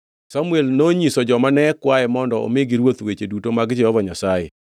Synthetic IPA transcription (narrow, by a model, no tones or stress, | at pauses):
samuelnoɲisɔd͡ʒɔmanɛkwaɛmɔndɔo̰mɪɡiɾwot̪wet͡ʃedutomaɡd͡ʒɛhɔvɔɲasajḛ